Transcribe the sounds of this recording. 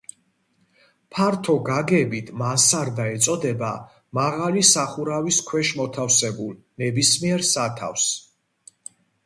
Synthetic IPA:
pʰaɾt̪ʰɔɡaɡɛbit̪ʰmansaɾd̪aɛt̪sʼɔd̪ɛba̰ | maʁalisaχuɾaviskʰwɛʃmɔt̪ʰafsɛbul | nɛbismiɛɾsat̪ʰa̰fs

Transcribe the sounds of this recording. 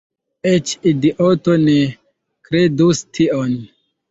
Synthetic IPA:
et͡ʃidiʔotone | kɾedustʰion

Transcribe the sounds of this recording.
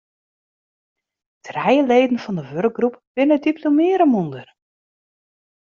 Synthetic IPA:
tʰrɛjəleːdən̩fɔndəʋørk̚ɡrupʋɪnədiplomɪːɾəmundər

